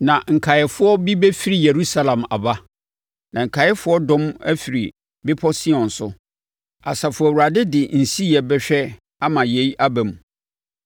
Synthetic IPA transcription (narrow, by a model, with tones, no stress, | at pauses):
nã˨ŋ̩˨kʰa˨jɪ˨fʊ˦ɔ˦bi˦be˦fi˦ɾi˨je˨ɾu˦sa˦lã˨ma̰˨ba˦ | nã˨ŋ̩˨kʰa˨˦ɛ˦fʊ˦ɔ˦dʊ̃˦mæ̰˦fi˨ɾḭ˨ | bɪ˦pʰɔ˦sĩ˦ɔ̃˨n˨sʊ˦ | a̰˨sa˨fʊ˨ɔ˨wu˨ɾa˨dɪ˦dɪ˨n̩˨si˦jɛ˨bɛ˦ɕᶣɛ˦ | a˦mã˨je˦i˦ʔa˦bæ̃˨m˦